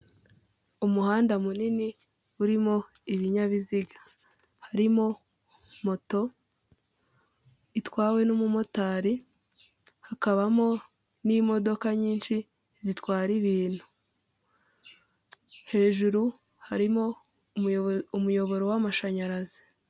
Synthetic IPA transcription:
umuhaːndamunini | uɾimo̞ | iβiɲaβiziɡḁ | haɾimo̞ | mo̞to̞ | itwaːwe̞numumo̞taːɾi | hakaβamo̞ | nimo̞do̞kaɲiːnʃi | zitwaːɾiβiːn̥hu̥ | he̞ːʒuɾu | haɾimo | umujo̞βo̞ɾowamaʃaɲaɾazi

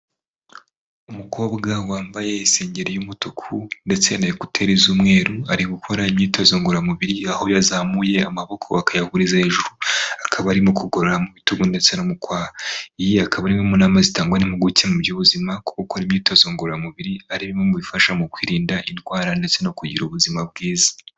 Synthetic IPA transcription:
umuko̞ːbɡawaːmbaje̞iseːɲɟe̞ɾejumutukʰunde̞t͡se̞najikutʰe̞ɾizuːmŋe̞ːɾuaɾiɡukʰo̞ɾaimɲiːtazoːŋɡoɾamuβiɾiaho̞jazamuje̞amaβo̞kʰo̞̰akʰajahuɾizaheʒuɾuakʰaβaːɾimukuɡo̞ɾoɾamuβituɡunde̞t͡senomukwaːhaijiakʰaβaɾimomunaːmazitaːŋɡwanimuɡucemuɾɟoβuzimako̥okoɾimɲiːtazoːŋɡoɾɾamuβiɾiaɾiβimomuβifaʃamukwiːɾiːndaʔintwaːɾande̞t͡se̞nokuɟiɾoβuzimab̚ɡiːzḁ

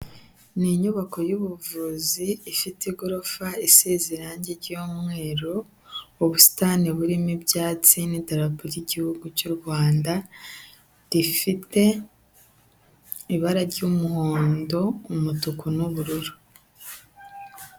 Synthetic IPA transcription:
niɲuβako̞juβuvuziːfitiɡoɾofaiseːziɾaːɲɟeɾɟoːmŋe̞ːɾoː | βusi̥taːniβuɾimibjaːt͡sinitaɾapuɾiɟihuɡucuɾɡwaːnda | ɾifite̞ | iβaɾaɾɟumuho̞ːndo̞umutukunuβuɾuɾu̥

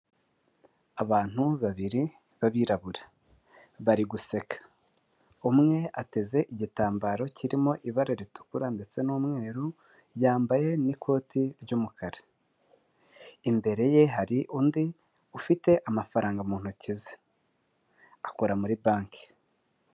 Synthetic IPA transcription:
aβaːn̥huβaβiɾi | βaβiːɾaβuɾa | βaɾiɡuse̞kḁ | umŋe̞ate̞ze̞ʔiɟitaːmbaɾo̞ciɾimo̞ʔiβaɾeɾitu̥kuɾande̞t͡se̞nuːmŋe̞ːɾu | jaːmbaje̞nikʰo̞ːtʰiɾɟuːmukʰaɾe̥ | imbe̞ɾe̞je̞ɦaɾiʔuːndi | ufite̞ʔamafaɾaːŋɡamuːn̥hucize̥ | akoɾamuɾibaːŋke̥

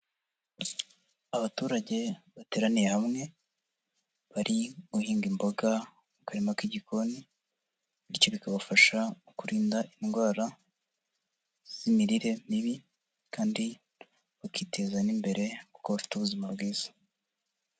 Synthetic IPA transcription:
aβatuːɾaɟe̞βate̞ːɾanijehamŋe̞ | βaɾʔiɡuhiːŋɡimboɡa | ukaɾemakiɟikʰo̞ni | icoβikaβafaʃaukuɾiːndaʔinɡwaːɾa | z̥imiɾiɾe̞miβi | kaːndi | βakiːte̞zanimbe̞ɾʔe̞kuko̞βafi̥tuβuzimabɡwiːz̥ḁ

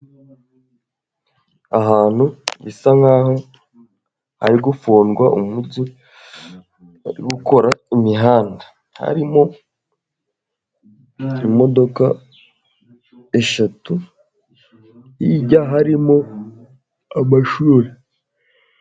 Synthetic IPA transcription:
aɦaːn̥huβisaŋaːho̞ | ha̰ɾiɡufuːnɡwaʔumuɟi | aɾiɡuko̞ɾaimiɦaːndḁ | ha̰ɾimo̞ | imo̞do̞ka | eʃatu | jiɟaɦaɾimo | amaʃuːɾe

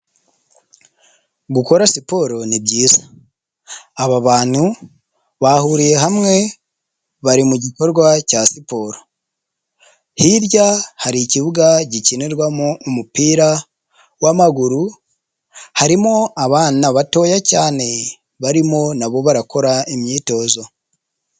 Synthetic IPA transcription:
ɡuko̞ɾasipo̞ɾo̞nibɟiːza | βaβaːn̥hu | βahuɾije̞ɦamŋe̞ | βaɾimuɟiko̞ɾɡwacasipo̞ɾo̞ | hiɾɟahaɾiciβuɡaɟicineɾwamoumupiːɾa | wamaɡuɾu | haɾimoaβaːnaβato̞ːjacaːne̞ | βaɾimo̞naβo̞βaɾako̞ɾaimɲiːto̞ːzo̞

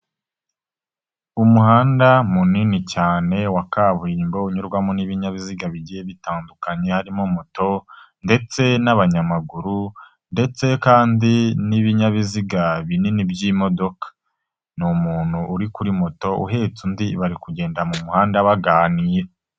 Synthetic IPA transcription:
umuhaːndamuninicaːne̞wakaβuɾiːmbo̞uɲuɾɡwamoniβiɲaβiziɡaβiɟijeβitaːndukaɲe̞haɾimomoto̞ | nde̞t͡se̞naβaɲamaɡuɾu | nde̞t͡se̞kaːndiniβiɲaβiziɡaβininibɟiːmo̞do̞kḁ | numuːn̥huʔːɾikuɾimoto̞ṵɦe̞t͡sundiβaɾikuɟe̞ːndamumuhaːndaβaɡaːnije

